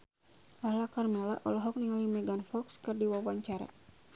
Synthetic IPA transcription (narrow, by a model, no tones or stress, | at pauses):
lahlakarmɛla̰ʔɔlɔɦɔk̚niŋalimɛɡanfɔkskɨrdiwawaɲt͡ʃaɾa̰